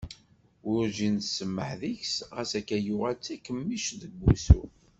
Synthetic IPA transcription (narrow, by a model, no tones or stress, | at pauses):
ʊɾʒinsəmːəħðiçsʁæsækːæjʊʁælt͡sːækːəmːiʃðəɡʷːuθṵ